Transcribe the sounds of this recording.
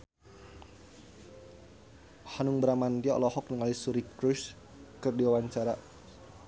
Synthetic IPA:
hanuŋbəɾamant̪iaɔ̰lɔhɔk̚nəŋalisuɾikɾus | kɨrdiwawaɲt͡ʃaɾa

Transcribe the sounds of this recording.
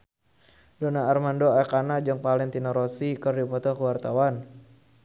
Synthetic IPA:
donaːrmandoakanad͡ʒɔŋpalɛŋt̪inɔɾɔsikərdipɔt̪ɔkuwart̪awan

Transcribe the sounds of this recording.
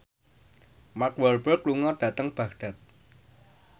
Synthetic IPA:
makwɛlbərkluŋɔɖ̥ä̤t̪əŋb̥a̤kɖ̥a̤t̪̚

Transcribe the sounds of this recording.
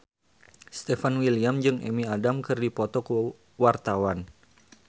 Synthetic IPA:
st̪efanwiliamd͡ʒɨŋʔḛmiadamkɨrdipɔt̪ɔkə | wart̪awan

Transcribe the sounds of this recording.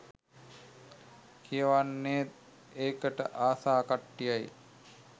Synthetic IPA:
kʰijəʋanːeːt̪ | eːkəʈə̰ʔaːsaːkaʈːijaj

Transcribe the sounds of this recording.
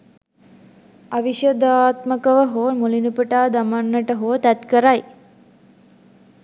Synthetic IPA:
ɐʋiʃɐd̪aːt̪mɐkɐʋɐɦoːmulinupəʈaːd̪ɐmanːɐʈɐɦoːt̪ɐt̪kəɾaj

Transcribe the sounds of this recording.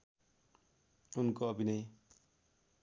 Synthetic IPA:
unkoʌbʱinʌj

